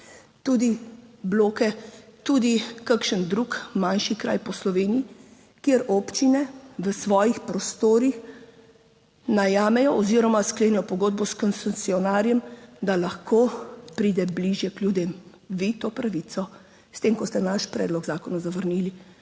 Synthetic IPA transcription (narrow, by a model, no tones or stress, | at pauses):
t̪uːd̪ibloːkɛt̪ud̪ikakʃənd̪ɾuːkmanʃikɾa̰jpɔslɔʋeːniji | kjeɾɔpt͡ʃinɛʋəsʋɔːjixpɾɔst̪oːɾix | najaːmɛjɔʔɔziːɾɔmaskleːnɛjɔpɔɡoːd̪̚bɔskɔnsɛsiɔnaːɾjɛmd̪alaxkoːpɾiːd̪ɛbliʒjɛkljud̪em | ʋit̪oːpɾaʋit̪sɔ | st̪emkɔst̪ɛnaʃpɾɛ̰d̪lɔɡzaːkɔnazaʋəɾnili